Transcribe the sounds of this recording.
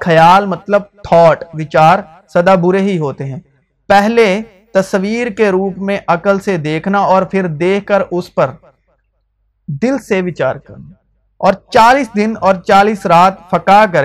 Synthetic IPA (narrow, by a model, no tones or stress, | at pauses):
kʰɐjaːlmɐt̪ləb̚t̪ʰɔːʈʋɪt͡ʃaːɾ | sɐd̪abʊɾeɦiɦoːt̪eɦɛ̃ː | pɛɦle | t̪ɐswiːɾkeɾuːpmẽʔɐkəlsed̪eːkʰnaɔːɾpʰɪɾd̪eːkʰkːəɾʊspɐɾ | d̪ɪlseʋɪt͡ʃaːɾkɐ̰ɾna | ɔːɾt͡ʃaːliːsd̪ɪnɔːɾt͡ʃaːliːsɾaːt̪fɐkak̬ɐɾẽ